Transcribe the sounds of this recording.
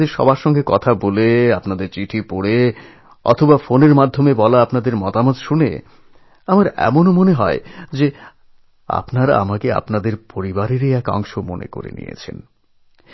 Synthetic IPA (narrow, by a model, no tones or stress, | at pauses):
eɾʃɔ̰baɾʃɔŋɡekɔt̪ʰaboleapnad̪eɾt͡ɕiʈʰipoɽe | ɔ̰t̪ʰobafoneɾmad̪ʱːomebɔlaapnad̪eɾmɔt̪amot̪ʃunḛ | amaɾɛ̰monomoneɦɔed͡ʑe | a̰pnaɾa̰a̰makea̰pnad̪eɾpoɾibaɾeɾiɛkɔ̰ŋʃomo̰nḛko̰ɾḛnḭjḛt͡ɕʰḛn